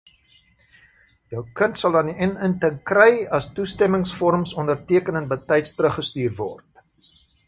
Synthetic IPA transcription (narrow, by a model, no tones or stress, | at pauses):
jœwkəntsɐlˠɐndiʔɛnəntəŋkrɛjɐstustɛməŋsfɔɾəmsɔndərtiəkənəntbətɛjtstɾəχəstyːrvɔ̰rt